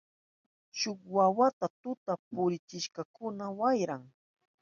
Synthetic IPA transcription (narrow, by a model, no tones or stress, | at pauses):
ʃʊkwawat̪at̪ʊt̪apʊɾɪt͡ʃɪʃkakʊnawajɾaŋ